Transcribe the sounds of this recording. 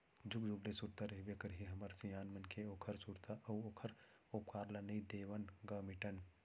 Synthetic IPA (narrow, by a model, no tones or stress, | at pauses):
d͡ʒukd͡ʒublesuɾt̪aɾɐɦibekɐɾɦiɦɐmɐɾsijaːnmɐnkʰeoːkʰəɾsuɾt̪aʔɐwoːkʰəɾ | oːp̚kaːɾlanɐĩd̪eːʋənɡɐmiʈən